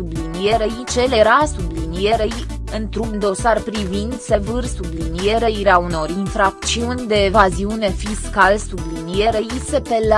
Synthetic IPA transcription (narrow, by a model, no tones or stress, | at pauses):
sublinije̞ɾejit͡ʃe̞leɾasublinije̞ɾej | ɨnt̪ɾuɡnd̪o̞sarpɾivindt̪sevɨrsublinije̞ɾeiɾeauno̞ɾʲinfɾak̚t̪siunʲd̪e̞ːvaziune̞fiskalsublinije̞ɾejisepel